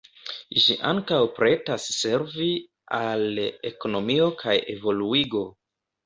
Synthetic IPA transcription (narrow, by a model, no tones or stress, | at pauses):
ʒiʔaŋkawpɾe̞tasːe̞ɾvi | ale̞̰ko̞no̞mio̞kʰaje̞̰vo̞luiɡo̞